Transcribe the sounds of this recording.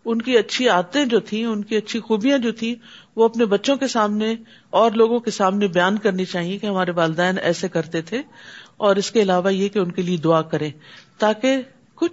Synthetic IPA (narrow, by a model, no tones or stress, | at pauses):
ʊnkiɐtːʃʰiaːd̪̚t̪ẽd͡ʒoːt̪ʰĩʊnkiɐtːʃʰixuːbijãd͡ʒoːt̪ʰĩ | ʋoɐpnebɐtːʃõkesaːmne | ɔːɾloːɡõkesaːmnebɐjaːnkɐɾnet͡ʃaːɦiẽkeɦɐmaːɾeʋaːld̪ɛːnɛ̰ːsekɐɾt̪et̪ʰeɔːɾɪskeɪlaːʋajekeʊnkelied̪ʊaːkɐɾẽːt̪aːke | kʊt͡ʃʰ